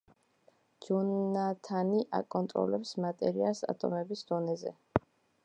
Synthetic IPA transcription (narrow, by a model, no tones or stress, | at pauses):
d͡ʒɔnat̪ʰaniʔa̰kʼɔnt̪ʼɾɔ̰lɛpsmat̪ʼɛɾialˠsa̰t̪ʼɔmɛbisd̪̥ɔnɛzɛ